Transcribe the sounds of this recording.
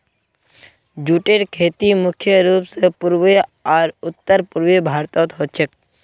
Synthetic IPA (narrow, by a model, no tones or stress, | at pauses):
d͡ʒuːʈeːɾkʰeːt̪imʊkʰjəɾuːpsepuɾʋeaːɾʊt̪ːəɾpuɾʋebʱaːɾt̪ɔːt̪ɦot͡ʃʰek